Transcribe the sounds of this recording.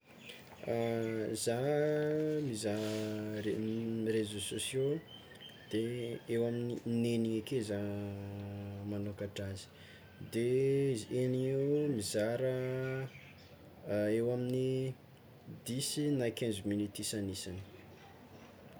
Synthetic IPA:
za | miza | erezososjo | d̪̥eewaminineniŋakeza | manokaʈ͡ʂazi̥ | d̪eizieniŋewmizaɾə | ewamini | d̪isinajkẽnzminit̪isanisani̥

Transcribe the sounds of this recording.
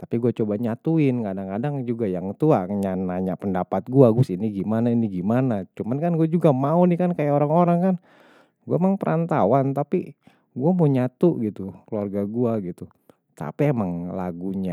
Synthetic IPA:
t̪apiɡuat͡ʃobaɲat̪uɪnkadaŋkadaŋd͡ʒuɡajaŋt̪uaɲanaɲapəndapat̪̚ɡuaɡusiniɡimanainiɡimanat͡ʃumankanɡuad͡ʒuɡamaunikankajaoɾaŋoɾaŋkan | ɡuaemaŋpəɾʔant̪awant̪api | ɡuamoɲat̪uʔɡit̪ukluarɡaɡuaɡit̪u | t̪a̰piemaŋla̰ɡuɲa

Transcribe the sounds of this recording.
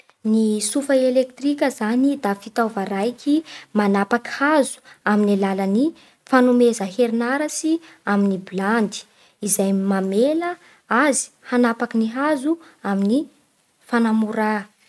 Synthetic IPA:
nisufəelek̚t̪rikʲəzanid̪afit̪awvaɾajkʲimanapakhazu̥aminilaləni | fanumezəɦeɾinaɾasi | aminibiland̪i̥ | izajmamelə | azi̥hanapakiniɦazuamini | fanamuɾa

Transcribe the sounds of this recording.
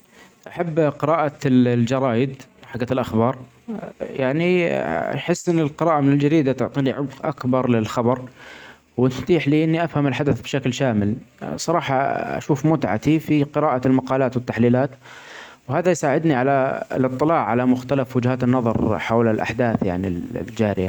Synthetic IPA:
ʔaħabːqɪɾaːʔald͡ʒɑɾˤɑːjɪd̪ħaɡːaɪlʔaxbɑːɾˤ | jaʕnḭ | ħɪsːʔɪnːɪlqɪɾɑːʔamɪnɪld͡ʒaɾiːd̪at̪ʊʕt̪ˤiːniʕʊbqʔakbɑɾˤlɪlxɑbɑɾˤ | wnft̪iːħliʔɪnːiʔafhamɪlħad̪aθbʃaklʃaːmɪlsˤɑɾˤɑːħɑa̰ʃuːfmʊt̪ʕa̰t̪ifiqɨɾaːʔalmɑqɑːlaːt̪wɪt̪ːaħliːlaːt̪ | whaːðajsaːʕɪd̪niʕala̰lɨt̪ˤːɨlɑːʕːalamʊxt̪alafwʊd͡ʒhaːt̪ɪnːɑðˤɑ̰ɾˤħawlɪlʔa̰ħd̪aːθja̰ʕnḭl̰ld͡ʒaːɾɪja

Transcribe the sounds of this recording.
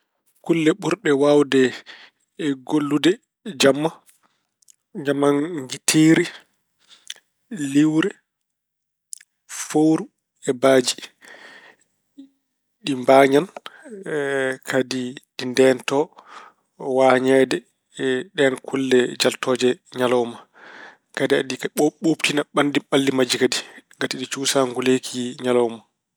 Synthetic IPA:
kulːɛɓuɾɗɛwawdɛ | ɡolːudɛ | d͡ʒamːa | ɲamanɡitʰiːɾi | liwɾɛ | fowɾu | ɛbaːd͡ʒi̥ | ɗimbaːɲan | kʰadiɗindɛntɔ | waːɲɛdɛ | ɗɛnkʰulːɛd͡ʒaltɔːd͡ʒɛɲalɔwma | kadia̰dioɓoptinaɓandiɓalːimad͡ʒikadiɡatiɗit͡ʃuːsaŋɡulekʰiɲalɔwma

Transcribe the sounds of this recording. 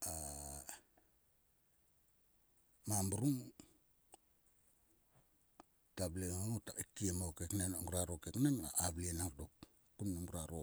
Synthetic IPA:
a | mambuɾuŋ | tableŋotaikiemawkeknenŋɡuɾaɾokeknaŋaablienakdok | kːuneŋɡuɾaɾo

